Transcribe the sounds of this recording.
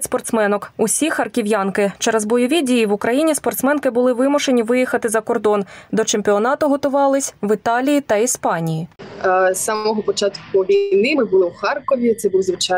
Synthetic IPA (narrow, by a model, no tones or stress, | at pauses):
spɔrt̪smɛnɔkʊsʲixɐrkʲiʋjɑnkɪt͡ʃɛɾɛzbɔjɔʋʲidʲijiʋʊkɾɐjinʲispɔrt̪smɛnkɪbʊlˠɪʋɪmʊʃe̞nʲiʋɪjixɐt̪ɪzɐkɔrd̪ɔnd̪ɔt͡ʃemʲpʲiɔnɑt̪ʊɦɔt̪ʊʋɑlˠɪsʲʋɪt̪ɑlʲijit̪ɐispɑnʲiji | sɑmɔɦɔpɔt͡ʃɑt̪kʊʋʲijnɪmɪbʊlˠɪwxɑrkɔʋʲit̪sɛbuwzʋɪt͡ʃ